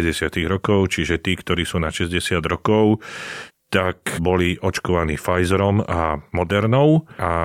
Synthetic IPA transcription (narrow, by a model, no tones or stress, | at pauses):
ɟɛsɪat̪iɣɾɔkɔʊt͡ʃiʒɛt̪iːkt̪ɔɾiːsuːnaʃɛzɟɛsɪad̪ɾɔkɔʊ | t̪akbɔliʔɔt͡ʃkɔʋaniːfajzɛɾɔmamɔd̪ɛɾnɔʊʔa